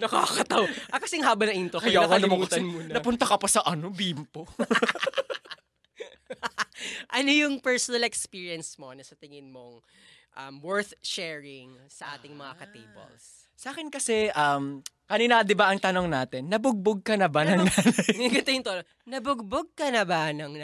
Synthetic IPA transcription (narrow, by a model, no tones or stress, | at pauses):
nɐkaːkɐt̪ɐwʔɐkɐsɛŋɦaːbɐnɐʔint̪okɐjakonɐmʊkt̪ɐnmunɐpʊnt̪ɐkɐpɐsɐʔɐnobimpo | ʔɐnojʊŋpɛɹsonɐlɛkspiɹiɐnsmo̞nɐsɐt̪ɪŋɪnmoŋ | ʔɐmwɛɹθʃɛːɹɪŋ | sɐʔaːt̪ɪŋmɐŋakɐt̪ejbɐ̰ls | sɐʔaːkɪnkɐsɛʔɐmkɐninad̪ɪbaʔɐŋt̪ɐnoŋnaːt̪ɛnːɐbʊɡ̚boɡ̚kɐnɐbanɐŋanɐɪɡɐnt̪ojʊnt̪ono | nɐbʊɡ̚boɡ̚kɐnɐbanɐŋ